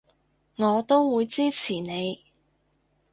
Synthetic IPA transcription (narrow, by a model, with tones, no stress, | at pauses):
ŋɔː˨˧t̪o˥wwuː˨˧jt͡siː˥t͡sʰiː˨˩ne˨˧j